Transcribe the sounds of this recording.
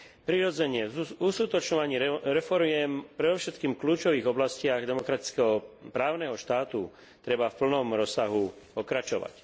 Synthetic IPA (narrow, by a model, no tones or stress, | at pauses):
pɾiɾɔd͡zɛɲɪɛuskut̪ɔt͡ʃɲɔʋaɲiːɾɛfɔɾmɪɛmpɾɛd̪ɔʊʃɛt̪kiːmkluːt͡ʃɔʋiːɣɔblascɪaɣd̪ɛmɔkɾat̪i̥t͡skɛɦɔpɾaːʊnɛɦɔʃt̪aːt̪u | t̪ɾɛbafpl̩nɔmɾɔsːaɦupɔkɾat͡ʃɔʋa̰c